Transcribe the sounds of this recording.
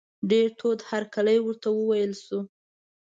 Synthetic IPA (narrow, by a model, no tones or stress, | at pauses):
ɖeɾʈʰod̪haɾkaləjwəɾt̪awəwajəlsu